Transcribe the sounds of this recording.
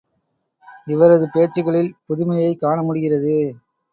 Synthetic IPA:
ɪʋɐɾɐðɯpeːt͡ʃːɪɣɐɭɪlpʊðʊmɐjɐɪkːaːɳɐmʊɽɪɣɪrɐðɯ

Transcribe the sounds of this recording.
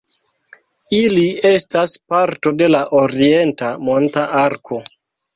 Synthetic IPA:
ilie̞staspaɾto̞de̞laʔoɾie̞ntamo̞ntaʔaɾkʰo̞

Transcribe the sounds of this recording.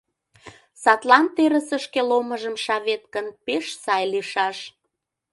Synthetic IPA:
sɑt̪lɑnt̪eɾəsə̆ʃkeloməʒəmʃɑβet̪̚kənpeʃsɑjliʃɑʃ

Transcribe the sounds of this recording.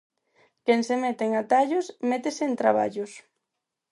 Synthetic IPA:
keŋsemet̪eŋat̪aʎosmɛt̪eseːnt̪ɾa̰βa̰ʎʊs

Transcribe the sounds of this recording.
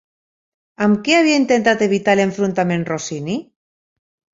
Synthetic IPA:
amkeaβiaint̪ent̪at̪eβ̞it̪aleɱfɾunt̪amenrosini

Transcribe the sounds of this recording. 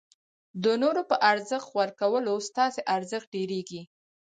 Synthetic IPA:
d̪ənoɾopəʔaɾzəxt̪xwaɾkawəlost̪ɑseʔaɾzəxt̪̚ɖeɾeɡi

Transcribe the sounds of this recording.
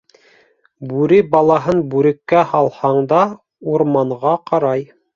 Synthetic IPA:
bʉɾibɑlˠɑɦɤnbʉɾɘ̆kːæhɑlˠhɑɴd̪ɑ | uɾmɑɴʁɑqɑɾɑj

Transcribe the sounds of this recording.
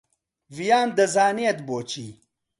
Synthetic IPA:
vijaːnd̪ɐzaːniɐt̪boːt͡ɕi

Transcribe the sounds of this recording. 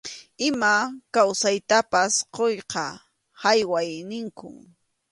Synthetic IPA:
ɪmakawsajt̪apasqojqɑ | hajwajnɪŋkʊ̰

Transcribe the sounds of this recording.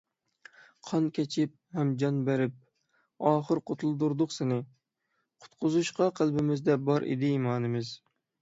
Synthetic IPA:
qʰɑnkʲʰɛt͡ʃʰɪp̚hɛmd͡ʒɑnbæɾɪp̚ | ɑːχəɾqʰot̪ʰulˠɨd̪uɾd̪ʊχsɪnɪ | qʰʊ̥t̪qʰʊzuʃqɑqʰəlˠbɪmɪzd̪ɛbɑɾʔɪ̰d̪ɪimɑːnɪmɪz

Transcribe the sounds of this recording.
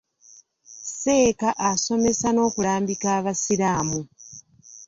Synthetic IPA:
se̞ːkaʔaso̞me̞sano̞ːkulaːmbikaːβasiɾaːmu

